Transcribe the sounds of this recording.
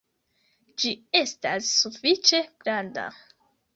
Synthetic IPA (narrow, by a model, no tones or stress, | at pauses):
d͡ʒie̞stasːufit͡ʃe̞ɡ̥ɾanda̰